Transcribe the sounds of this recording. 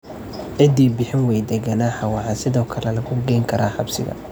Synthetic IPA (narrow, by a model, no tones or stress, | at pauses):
ʕɪd̪iːbɪħɪnwɛjd̪ɛɡɐnaːħɑwɑʕɑsɪðɔːkʰɐlɛlɐɣʊɡɛjŋkʰɐɾaːħɑbsɪ̰ɣɐ̰